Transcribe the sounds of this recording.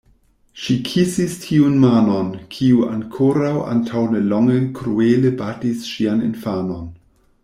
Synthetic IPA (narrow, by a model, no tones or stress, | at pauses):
ʃikʰisistʰiunmano̞nkʰiua̰ŋkʰoɾawʔa̰ntʰawnelɔŋekɾuelebatisʃianḭnfano̞n